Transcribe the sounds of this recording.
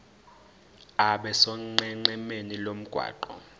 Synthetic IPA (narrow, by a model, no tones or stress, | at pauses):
aɓɛsɔŋ͡ǃɛŋ͡ǃɛmenilom̩ɡ̥ʱwa̰ːǃɔ̰